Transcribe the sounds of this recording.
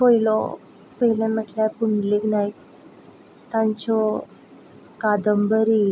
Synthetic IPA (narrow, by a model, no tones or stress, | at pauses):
poilɔ̰ | pəɦilãməʈljapuɳɖleɡnaj | t̪ãɲt͡ɕɔ | kad̪əmbəɾi